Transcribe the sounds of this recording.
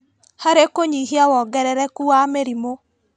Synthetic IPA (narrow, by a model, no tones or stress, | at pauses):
haɾekoɲiɦiawɔɡɛɾɛɾɛkuameɾimo